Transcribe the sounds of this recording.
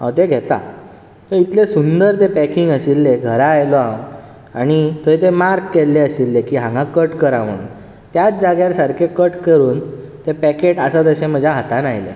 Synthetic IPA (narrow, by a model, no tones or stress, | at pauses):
ɦã̰wt̪eɡʱet̪a̰ | t̪əit̪lesund̪əɾt̪epækiŋɡəɕilːeɡʱəɾaːjlɔãŋɡ | aɽ̃it̪oit̪emaɾkːelːeəɕilːekiːɦãŋɡãkəʈkəɾaʋ̤əɽ̃ṵn | t̪jat͡sd͡zaɡjaɾsəɾkʰekəʈkəɾuːnt̪epækeʈəsət̪əɕẽm̤əd͡ʑʱjaɦat̪anaɦjlḛ